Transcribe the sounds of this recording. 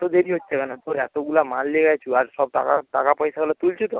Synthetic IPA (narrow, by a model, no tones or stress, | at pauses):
t̪od̪eɾiɦot̪ːt͡ʃʰekanat̪oɾat̪oɡulamalleɡajt͡ʃʰuaɾsɔb̚t̪a̰ka̰t̪akapəjsaɡlat̪ult͡ʃʰut̪o